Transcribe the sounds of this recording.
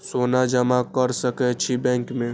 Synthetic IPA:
sonad͡ʒəmakəɾsəkɛt͡ʃʰibɛ̃ŋkmẽ

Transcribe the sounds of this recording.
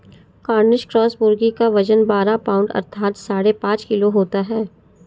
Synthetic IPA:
kaːɾnɪʃkɾɔːsbʊɾɡikaʋɐd͡ʒənbaːɾapaːʊ̃ɳɖɐ̰ɾt̪ʰaːt̪saːɽepãːt͡ʃkɪloɦoːt̪aɦɛː

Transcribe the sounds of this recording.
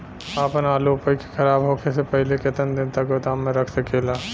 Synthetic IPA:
aːpənaːlopəike̥kʰɐɾaːbɦoːkʰesepəɦleket̪ənd̪ɪnt̪akot̪amːẽɾɐkʰsəkelaː

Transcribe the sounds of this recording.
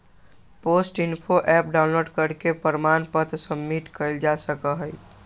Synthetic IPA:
posʈɪnpʰoʔɛpɖaʊnloɖkəɾkepəɾmanpət̪səmːiʈ̪kəɪld͡ʒasəkəɦəɪ

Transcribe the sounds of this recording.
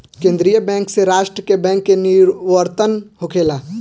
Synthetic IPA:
kẽːnd̪ɾijəbɛ̃ːŋkseɾaːʃʈɾəkebɛ̃ːŋkːeniɾʋəɾt̪ənhokʰeːlaː

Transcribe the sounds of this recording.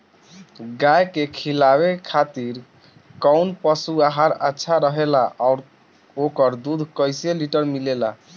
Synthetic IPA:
ɡajkekʰilabekʰat̪iɾ | kɔwnpəsuaɦaɾətːʃʰaɾəɦelaʔaʊɾ | okəɾd̪ud̪ʱkəjseliʈəɾmilela̰

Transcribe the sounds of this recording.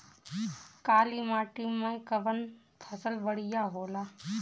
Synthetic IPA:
kaːliːmãːʈiːmːãĩkəʋən | pʰəsəlbəɽijaːɦoːlaː

